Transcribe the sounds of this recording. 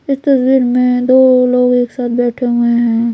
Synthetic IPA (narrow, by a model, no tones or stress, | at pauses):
ɪst̪ɐswiːɾmẽd̪oːloːɡeːksaːt̪̚ʰbɛːʈʰeɦʊeɦɦɛ̃ː